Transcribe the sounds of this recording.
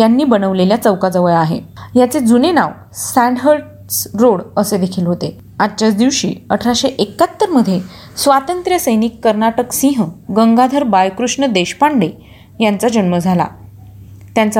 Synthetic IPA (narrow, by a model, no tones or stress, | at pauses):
janːiːbənəʋleljat͡səʋkad͡zəʋəɭaɦḛjat͡sed͡zunena̰ʋ | sæ̃ɳɖɦəlʈ | sɾoɽəsed̪ekʰiːlɦot̪e | at̪ːt͡ɕat͡sd̪iʋɕḭːəʈʰɾaɕeʔekːat̪ːəɾməd̪ʱje | sʋat̪ənt̪ɾjəsəjnikːəɾnaʈəksĩɦɡəŋɡad̪ʱəɾbajkɾuʂɳəd̪eɕpaɳɖe | jant͡sad͡ʑənməd͡zʱala̰ | t̪jant͡s